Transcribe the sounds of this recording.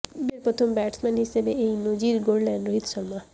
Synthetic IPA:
beɾpɾot̪ʰombɛʈsmanɦisebeejnod͡ʑiɾɡoɽlɛnɖɾoɦit̪ʃɔɾma

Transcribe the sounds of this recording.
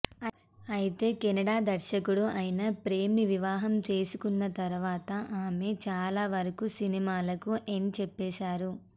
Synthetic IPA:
ɐjit̪e̞ːkɛnɐɽaːd̪ɐɾʃɐkuɽuʔɐjinɐpɾe̞ːmiʋiʋaːɦɐmt͡ʃe̞ːsukunːɐt̪ɐɾuʋaːt̪ɐʔaːme̞t͡ʃaːlaːʋɐɾɐkusinimaːlɐkuʔent͡ʃɛpːɛːʃaːɾu

